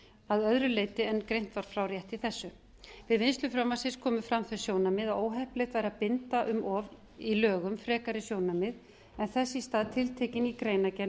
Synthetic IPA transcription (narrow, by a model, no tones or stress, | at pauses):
aðœðɾʏleːjt̪ɪɛnkɾejn̥t̪vaɾ̥fɾaːwɾjɛht̪ɪθɛsːʏ | vɪðvɪnst̪lʏfɾamvasɪnskʰɔːmʏfɾamθɛssjoːwnamɪðaoːwɦɛhplejt̪vaːjɾapɪnt̪aʔʏmʔɔv | ilœːɣʏmfɾɛːkaɾɪsjoːwnamɪð | ɛnθɛsːɪst̪aːðt̪ʰɪlt̪ʰeːcɪnikɾeːjnacɛn